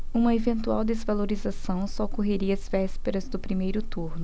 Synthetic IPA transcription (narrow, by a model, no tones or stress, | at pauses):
ũmɐevẽnt̪ua̰wd̪ezvaloɾizasɐ̃w̃sɔkoɦeɾiɐɐzvɛspeɾɐzd̪ʊpɾimejɾʊt̪uɾnʊ